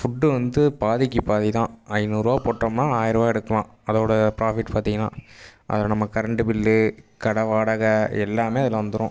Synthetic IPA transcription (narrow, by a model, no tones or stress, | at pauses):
fʊɖːɯʋɐnd̪ɯpaːðɪkːipaːðit̪ãːɐɪnuːɾaːpoːʈrɐmnãːaːjɪɾɐʋaːɛɽɯkːɐlãːɐðoːɽɐpɾaːfɪʈːpaːɾt̪iŋɡɐnːa̰ːʔɐ̰ðɪlɐnɐmːɐkɐɾɐɳɖɯpɪlːɯkɐɽɐʋaːɽɐɣɐɛ̰lːaːmeːɐðɪlɐʋɐnd̪ɯɾʊ̃